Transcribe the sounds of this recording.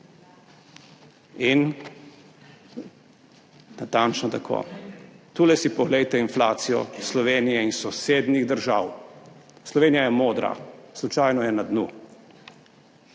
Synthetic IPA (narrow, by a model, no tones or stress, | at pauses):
in | nat̪ant͡ʃnɔt̪akʰo̰ːt̪uːlɛsipɔɣlɛjt̪ɛinflaːt̪sijɔ̰slɔʋeːnijɛinsɔseːd̪niɣd̪əɾʒaːw | slɔʋeːnijajɛmoːd̪ɾa̰slut͡ʃajnɔjɛnad̪nu